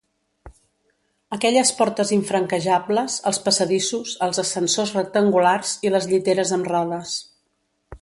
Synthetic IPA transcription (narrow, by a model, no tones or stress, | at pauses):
əkɛʎəspɔɾt̪əziɱfɾəŋkəʒabləzə̰lˠspəsəðisuzəlˠzəsənsozrək̚t̪əŋɡularz̥iləzʎit̪eɾəzəmrɔðəs